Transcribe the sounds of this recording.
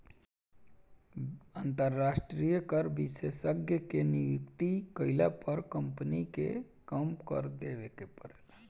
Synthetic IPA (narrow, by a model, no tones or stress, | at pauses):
ant̪əɾːasʈɾijəkəɾbisesəɡʱjəkeniʋikt̪ikəɪla̰pəɾkəmpnikḛ | kəmkə̰ɾd̪ebekepəɾel